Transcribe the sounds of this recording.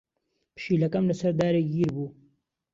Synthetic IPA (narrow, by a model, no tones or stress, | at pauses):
pʃiːlakamləsaɾd̪ɑːɾeɡiɾbu